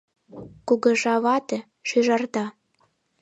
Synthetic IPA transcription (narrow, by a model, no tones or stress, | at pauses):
kuɣɤ̆ʒɑβɑt̪ĕ | ʃyʒɑrt̪ɑ